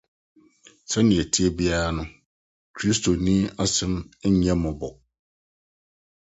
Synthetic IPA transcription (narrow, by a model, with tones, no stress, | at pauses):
sɛ˦nɪ̃˨ɛ˨tʰi˦e˦bi˦a˦ɾa˦nʊ̃˦ | kʰɾi˦stʰo˨nĩ˦a˦sɪ̃˦m̩˦ɲɛ̃˦mɔ̃˨bɔ˨